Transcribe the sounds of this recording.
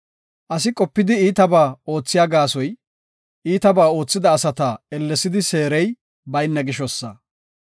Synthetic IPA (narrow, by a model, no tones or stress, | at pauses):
ʔɐsɪkʼɔpːɪd̪ɪiːt̪ɐbaːo̞ːt͡sːɪjaːɡaːsɔj | iːt̪ɐbaːo̞ːt͡sːɪd̪ɐːsɐt̪aɛlːɛsɪd̪ɪse̞ːɾɛj | bɐjnːɐɡɪʃɔsːɐ